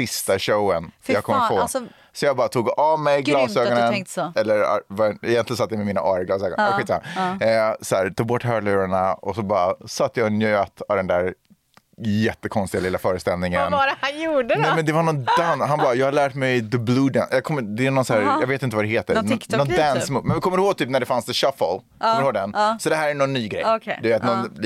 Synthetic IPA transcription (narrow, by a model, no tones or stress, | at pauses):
sɪst̪aɕoʊənjɑːɡkʰɔmːəɾpʰoː | sɔjɑːɡbɑːɾat̪ʰuːɡɑvmɛjɡlɑːsøːɡɔnənɛlːəɾ̰vaɛjɛnlɪəsat̪ːjamɛmiːna̰ʔɑːɾəɡlɑːsøːɡɔnɧiːt̪sama | sɔæːɾt̪ʰuːɡ̚bɔʈːɦœːlʉːɾaɳaɔsɔbɑːɾasat̪ːjɑnjøt̪avd̪ɛnd̪æɾ | jɛt̪ːəkʰɔnst̪ɪɡalɪlːafœːɾəst̪ɛlnɪŋənajuːɖənɛjmɛnd̪ɛvanɔnd̪ansɦanbɑːjɑːɡhaɭæːʈmɛjd̪əbluːd̪ɛ̰njɑːkʰɔmːəd̪ɛænɔnsæːɾjɑɡveːt̪ɪnt̪əvad̪ɛheːt̪ə̰k̪ɔnd̪ænsmuːmɛnvɪkʰɔmːəɾhoːɡ̚t̪ʰyːpnæɖɛfanst̪ɪʃafɔl | ɔəɾhoːɡd̪ɛnsɔd̪ɛɦæːɾæɳɔnːyːɡɾɛ̰jd̪ɵveːt̪nɔn